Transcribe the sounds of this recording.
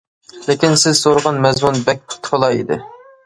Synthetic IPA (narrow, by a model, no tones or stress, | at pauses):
lɪkʲinsɪz̥soɾəʁɑnmɛzmunbɛk̚ʲpʰʊ̥t̪ʰpəlˠɑḭd̪ɪ̰